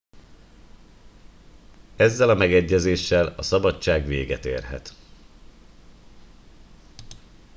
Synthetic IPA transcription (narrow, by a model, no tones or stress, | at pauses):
ɛzːɛlɒmɛɡɛɟːɛzeːʃːɛlɒsɒbɒt͡ʃːaːɡʋḛːɡɛt̪ḛːrɦɛ̰t̪